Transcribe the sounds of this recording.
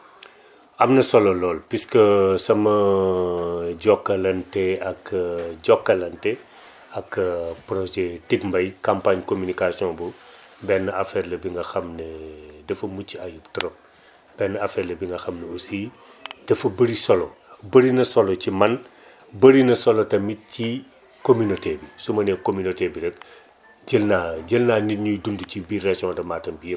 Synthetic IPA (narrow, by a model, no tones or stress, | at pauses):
ɐmnɐsɔlɔlɔːlpiskəsɐmɐ | ɟɔkːɐlɐntɛɐkɟɔkːɐlɐntɛ | ɐkpɾɔʒɛtikmbɐjkampaɲkomynikasiɔ̃bu | bɛnːɐafɛrlɐbiŋɡɐxɐmnedɐfɐmucːiajuptɐɾɔm | b̥ɛnːɐafɛːɾlɐbiŋɡɐxɐmneosiː | dɐfɐbɐɾisɔlɔ | bɐɾinɐsɔlɔcimɐn | bɐɾinɐsɔlɔtɐmit̚ci | kominotɛbisumɐnɛkominotɛbidɐk̚ | ɟəlnaɟəlnaːniɲudunducibirɛsiɔ̃dɐmaːtɐnbijə